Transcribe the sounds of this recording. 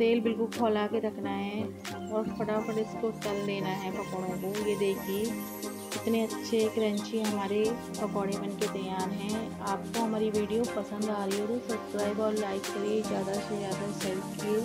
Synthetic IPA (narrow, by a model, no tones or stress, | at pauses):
t̪eːlbɪlkʊlkʰɔːlaːkeɾɐkʰnaɦɛ | ɔːɾpɐɽapɐɽɪskoʈɐlleːnaɦɛpɐkɔːɽõkojed̪eːkʰie | ɪt̪neɐtːʃʰekɾɐ̃ɲt͡ʃiɦɐmaːɾe | pɐkɔːɽeʋɐnket̪ɐjaːɾɦɛ̃ | aːp̚koɦɐmaːɾiʋiːɖijopɐsə̃nd̪aːɾioːɾosɐbskɾaːɪbɔːɾlaːɪkːɐɾiezjaːd̪asezjaːd̪asɛlpkie